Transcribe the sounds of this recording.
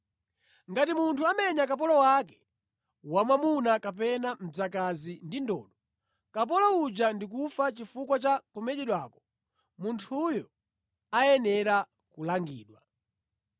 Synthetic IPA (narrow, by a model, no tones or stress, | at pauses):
ŋɡatimuntʰuamɛɲakap̬ɔlɔwakɛ̥ | wamamunakapɛnam̩d͡zakazindindɔ̰ːɗɔ | kap̬ɔlɔud͡ʒandik̬ufat͡ʃifukwat͡ʃakɔmɛʄɛɗwaːkɔ̥ | muntʰujɔ | ajɛnɛɾa | kulaŋɡiːɗwa